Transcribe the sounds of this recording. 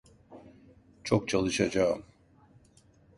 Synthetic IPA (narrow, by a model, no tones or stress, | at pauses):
t͡ʃʰok̚t͡ʃʰalˠɯʃad͡ʒaɯm